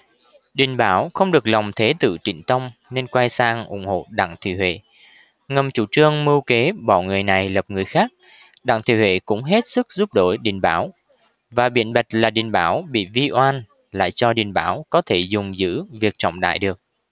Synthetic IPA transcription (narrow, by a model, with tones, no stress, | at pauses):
ɗi˨˩n̟ɓaː˧˦wxə˧wŋ͡mɗɨ˨˩ək̚lɔ˨˩wŋ͡mt̪ʰe˨˦t̪ɨ̰˧˨t͡ɕḭ˧˩˨ŋt̪ə˧wŋ͡mne˧nkwa˧jsaː˧ŋʔʊ̰˧˩ŋ͡mho̰˧˨ɗa̰ː˧˨ŋt̪ʰwḭ˧˩hwḛ˧˨ | ŋə˨˩mt͡ɕu˧˩t͡ɕɨ˧əŋmɨ˧wke˨˦ɓɔ˧˩ŋɨ˨˩əjna˨˩jlə˨˩p̚ŋɨ˨˩əjxaː˦˥k̚ | ɗa̰ː˧˨ŋt̪ʰwḭ˧˨hwḛ˧˨kʊ̰˧˥ŋ͡mɦe˦˥t̚sɨ˦˥k̚zu˦˥p̚ɗo˧˩jɗḭ˨˩ŋɓaː˧˦w | vaː˨˩ɓḭ˧˨ənɓa˨˩jk̟̚laː˨˩ɗi˨˩nɓaː˧˩wɓḭ˧˨vi˧ʔwaː˧n | la̰ː˧˨jt͡ɕɔ˧ɗḭ˨˩nɓaː˧˩˦wkɔ˨˦t̪ʰe˧˩zʊ˨˩ŋ͡mzɨ̰˧˥vi˨˩ək̚t͡ɕɔ̰˧˨wŋ͡mɗa̰ː˧˨jɗɨ˨˩ək̚